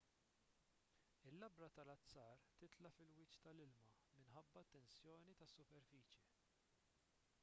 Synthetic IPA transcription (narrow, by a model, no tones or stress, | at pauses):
ɪlːɐbɾɐt̪ɐlɐt͡sːɐːɾt̪ɪt̪lɐfɪlwɪːt͡ʃt̪ɐlɪlmɐ | mɪnħɐbːɐt̪ːɛnsjɔːnit̪ɐsːʊpɛɾfiːt͡ʃji